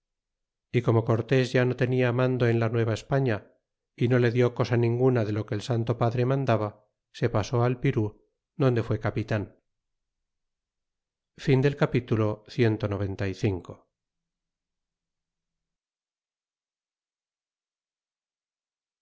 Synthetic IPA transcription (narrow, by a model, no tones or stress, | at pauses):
iko̞mo̞ko̞ɾt̪e̞zʝano̞t̪e̞niamãnd̪oenlanwe̞βaespaɲa | ino̞le̞ðjo̞ko̞sanĩŋɡunaðe̞lo̞keːlsant̪o̞paðɾemãnd̪aβa | se̞paso̞alpiɾu | d̪o̞nd̪e̞fwe̞kapit̪an | find̪elkapit̪ulo̞θje̞nt̪o̞no̞β̞e̞nt̪ajθiŋko